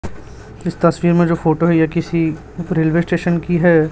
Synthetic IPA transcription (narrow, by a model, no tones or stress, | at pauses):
ɪst̪ɐsʋiːɾmẽd͡ʒoːfʰoːʈoɦɛjakɪsi | ɾeːlʋeːsʈeːʃənkiɦɛː